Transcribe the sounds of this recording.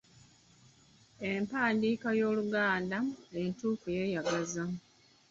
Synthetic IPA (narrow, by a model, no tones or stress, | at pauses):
empaːndiːkajo̞ːluɡaːndaentuːkujeːjaɡazam